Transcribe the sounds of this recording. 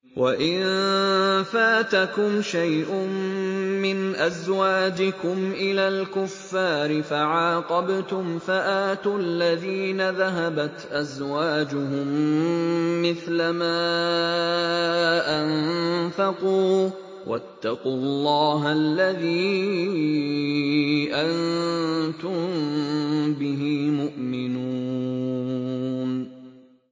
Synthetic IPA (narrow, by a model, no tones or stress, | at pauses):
wʔaʔɪn | faːt̪akʊmʃajʔʊː | ɪnʔazwaːd͡ʒɪkʊmʔɪlaːlkʊfːaːɾɪfaʕaːqɑbt̪ʊmfaʔaːt̪ualːaðiːnaðaɦabat̪ʔazwaːd͡ʒʊɦʊmː | ɪθlamaː | ʔanfɑquː | wʔa̰t̪ːɑquːɑlˤːɑːɦalːaðiː | ʔan | t̪ʊm | bɪɦiːmʊʔmɪnuː | n